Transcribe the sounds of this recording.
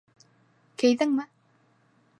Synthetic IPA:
kejðɘŋmɘ

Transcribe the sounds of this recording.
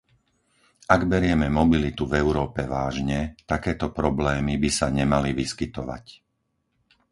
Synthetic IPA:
aɡbɛɾɪɛmɛmɔbilit̪uvɛʊɾɔːpɛʋaːʒɲɛt̪akɛːt̪ɔpɾɔblɛːmibisaɲɛmaliʋiskit̪ɔʋa̰c

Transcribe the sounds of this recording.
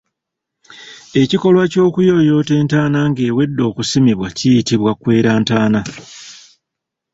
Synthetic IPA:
e̞ciko̞lwaco̞ːkujo̞jo̞ːte̞ːntaːnaŋɡe̞ːwe̞dːo̞ːkusimiβwacijitiβwakwe̞ːɾaːntaːna

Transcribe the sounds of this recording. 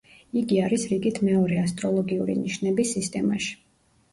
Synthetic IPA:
iɡiaɾisɾiɡit̪ʰmɛɔɾɛast̪ʼɾɔlˠɔɡiṵɾḭniʃnɛbisːist̪ʼɛmaʃi̥

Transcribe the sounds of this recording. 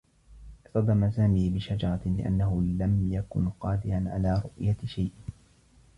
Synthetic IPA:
ʔɪʔt̪ɑd̪ˤɑmazaːmiːbɪʃad͡ʒɑɾˤɑlɪ̰ʔa̰nːaɦʊlamjakʊ̰nqɑːd̪ɪɾanʕa̰laːɾˤʊʔjaʃajʔ

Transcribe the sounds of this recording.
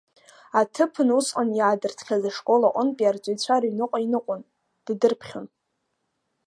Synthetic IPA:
atʰɨpʰɨnusqʼanjaːdɨrtʰχʲazaʂkʼo̞laʔʷʼʊnpʼiart͡sʷʼejt͡ɕʷʰaɾainɨqʷʼainɨqʷʼʊn | d̥dɨrpʰχʲon

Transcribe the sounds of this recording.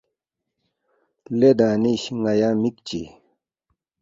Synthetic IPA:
led̪aniɕŋajamik̚t͡ɕḭ

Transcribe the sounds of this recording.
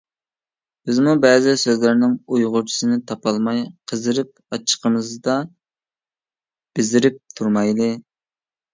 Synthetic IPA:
b̥ɪzmubɛːzɪsøzlɪɾnɪŋujʁʊɾt͡ʃʰi̥sɨnɪt̪ʰɑpɑlˠmɑjqʰəzɨɾɪp̚ | ɑt͡ʃʰə̥qʰəmɨzd̪ɑ | b̥ɪzɪɾɪp̚t̪ʰuɾmɑjlˠɨ

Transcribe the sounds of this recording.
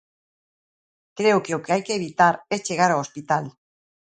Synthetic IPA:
kɾeukeowkeajkeβit̪aɾet͡ʃeɣaɾoospit̪al

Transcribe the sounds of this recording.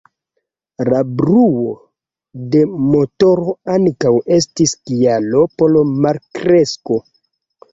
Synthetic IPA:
labɾuwo̞ | de̞mo̞to̞ɾo̞aŋkawe̞stiskialo̞po̞lomaɾkɾe̞sko̞

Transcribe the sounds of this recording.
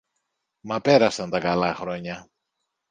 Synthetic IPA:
mɐpe̞ɾɐsɐnt̪ɐkɐlɐxɾo̞ɲɐ

